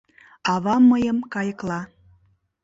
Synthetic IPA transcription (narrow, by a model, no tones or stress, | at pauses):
ɑβɑməjəmkɑjəklɑ